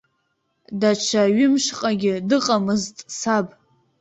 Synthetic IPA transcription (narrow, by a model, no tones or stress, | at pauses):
dat͡ʃʷʰaɥɪmʃqʼaɡʲɪdɨqʼamɨztʼsabʼ